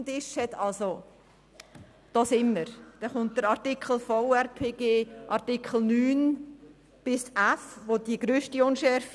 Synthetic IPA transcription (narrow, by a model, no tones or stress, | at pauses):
ndɪʃhɛtɑlso | d̥ɑːsɪmːəɾd̥ɛχʊnt̚d̥əɾɑɾtikχl̩foʊɛɾpʰeːɡeːʔɑɾtikχl̩ˠnyːn | b̥ɪsæfʋodiɡɾøːʃtiʊnʃɛɾf